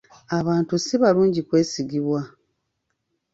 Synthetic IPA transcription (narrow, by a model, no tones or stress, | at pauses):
aβaːntusiβaluːɲɟikwe̞ːsiɡiβwa